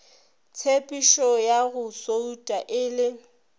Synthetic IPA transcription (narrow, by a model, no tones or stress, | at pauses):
t͡sʰepʼiʃɔjaɣʊsoutʼaʔɪːlɪ